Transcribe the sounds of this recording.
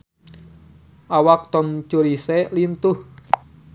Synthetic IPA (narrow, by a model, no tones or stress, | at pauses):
ʔawak̚t̪ɔmt͡ʃuɾiselint̪ʊh